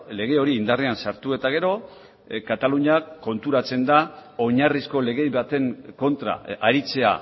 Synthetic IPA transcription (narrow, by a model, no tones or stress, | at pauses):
le̞ɣ̞e̞o̞ɾiːnd̪areansaɾt̪ue̞t̪aɣ̞e̞ɾo̞ | kat̪aluɲako̞nt̪uɾat͡se̞nd̪ao̞ɲarisko̞le̞ɣe̞jβat̪e̞ŋko̞nt̪ɾa̰aɾit͡se̞a̰